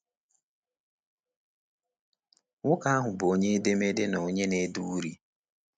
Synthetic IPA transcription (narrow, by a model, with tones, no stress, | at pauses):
ŋʊ˦ka˦a˦ɦʊ˨bo˦ɲe˦de˦me˦de˦no˨˦ɲe˦ne˦du˦ɾi˦